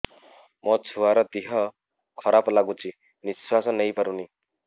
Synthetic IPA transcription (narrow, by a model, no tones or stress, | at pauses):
mʔɔt͡sʰuaɾɔt̪iɦɔ | kʰɔɾaplaɡũt͡ʃʰi | niswasɔnejpaɾuni